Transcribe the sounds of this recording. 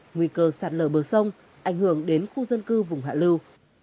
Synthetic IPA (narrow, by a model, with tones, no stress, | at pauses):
ŋwi˧˩kəː˧˩saː˨˩t̚ləː˧˩ɓəː˧˩sə˧wŋ͡m | ʔa˧˩jŋ̟hɨ˧˩əŋɗe˨˦nxu˧zə˧nkɨ˧vʊ˨˩ŋ͡mɦa̰ː˧˨lɨ˧w